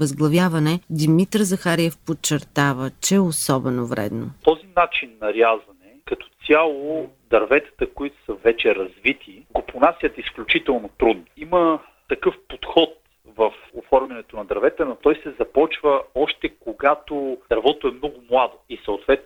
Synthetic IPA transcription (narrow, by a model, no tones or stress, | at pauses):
əzɡlˠɐvjavɐnɛd̪imit̪ɾzɐxaɾiɛfpot͡ʃːɛɾt̪avət͡ʃɛɛosɔbɛnovɾɛ̰d̪no̰t̪ɔzinat͡ʃinːɐɾjazvɐnɛkɐt̪ɔ̥t̪sʲjalˠod̪ɐɾvɛt̪ə̥t̪əkoit̪ʊ̥sɐvɛt͡ʃɛɾɐzvit̪ʰi | ɡoponasʲjət̪isklʲut͡ʃit̪ɛlˠnot̪ɾud̪noimə | t̪ɐkɤfpot̪xɔt̪̚ | vəfofɔɾmmʲɐnɛt̪onɐd̪ɐɾvɛt̪ɛnot̪ɔjsɛzɐpɔt͡ʃvəɔʃt̪ɛkoɡat̪od̥̪ɐɾvɔt̪oɛmnɔɡʊmlˠad̪oisɐʊt̪vɛt̪